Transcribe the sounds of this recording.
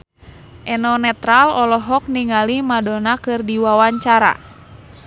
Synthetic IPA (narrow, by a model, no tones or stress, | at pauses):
ʔɛnɔnɛt̪ɾalɔlɔɦɔk̚niŋalimadɔnakɨrdiwawaɲt͡ʃaɾa̰